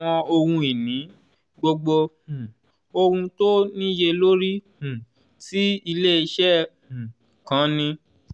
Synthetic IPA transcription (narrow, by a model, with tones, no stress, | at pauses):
ɔ̃˧o˧ɾũ˧i˨nĩ˨˦ | ɡ͡bo˧ɡ͡bõ˧˨ | o˧ɾũ˧to˦nĩ˦je˧lo˦ɾĩ˦˨ | ti˦i˧le˦i˧ʃɛ̃˦˨ | kã˨˦nĩ˧